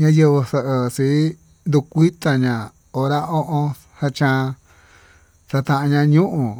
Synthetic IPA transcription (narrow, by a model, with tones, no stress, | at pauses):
ɲã˦jə˧βə˧sə˧ʔə˧si˨˦ | nd̪u˧kʷi˦t̪a˧ɲã˨ | o˧ɾa˦o˦ʔõ˧ | sa˧t͡ʃã˧ | sa˧t̪ã˧ʔã˧ɲã˧ɲũ˦ʔũ˨